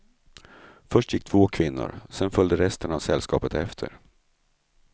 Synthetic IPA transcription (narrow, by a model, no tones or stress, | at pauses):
fœʂʈjɪk̚ːt̪ʰv̥oːkʰvɪnːʊ̰ɾsɛnfœld̪əɾɛst̪əɳavsɛlːskɑ̰ːpət̪ɛft̪ʰə̰ɾ